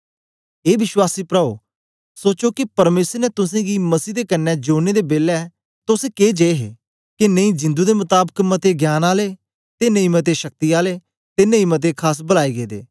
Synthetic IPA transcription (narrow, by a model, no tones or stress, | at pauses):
eːʋɪʃwaːsiːpɾəo̰ | soːt͡ʃokipəɾmeːsəɾnɛt̪ʊsẽːɡiməsiːd̪eːkənːɛːd͡ʒoːneːd̪eːbeːlɛ | t̪ʊskeːd͡ʒeeɦḛː | kinəĩːd͡ʒɪ̃nd̪uːd̪emʊt̪aːbəkmət̪eɡjaːnaːleː | t̪eːnəĩmət̪̬eʃək̚t̪iaːleː | t̪enəĩːmət̪̬eːkʰaːs̬bəlaːiɡeːd̪ḛː